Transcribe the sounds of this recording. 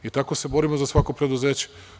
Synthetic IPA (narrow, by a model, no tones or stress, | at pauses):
it̪ako̞se̞bo̞ɾimozasʋako̞pɾe̞d̪uze̞ːt͡ɕe